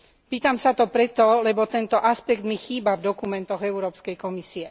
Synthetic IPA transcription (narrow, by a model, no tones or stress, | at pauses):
piːt̪amsat̪ɔpɾɛt̪ɔlɛbɔt̪ɛnt̪ɔʔaspɛɡd̪mixiːbavd̪ɔkumɛnt̪ɔɣɛuɾɔːpskɛjkɔmisiɛ